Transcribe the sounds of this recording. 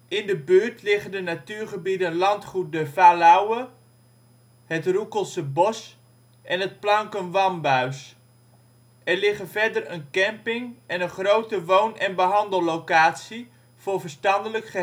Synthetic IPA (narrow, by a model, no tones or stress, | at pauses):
ʔɪndəbøːɹtlɪχəndənatyːɹχəbidənlɑntχut̚dəvaːlawə | ɦətrukəlˠsəbɔs | ʔɛnɦət̚plɑŋkənʋɑmbœɥs | ʔɛɹlɪχənvɛɹdərənkɛmpɪŋɛnənχrowtəʋownɛnbəɦɑndəlˠlowkaːtsi | v̥ʊːɹvərstɑndələkχə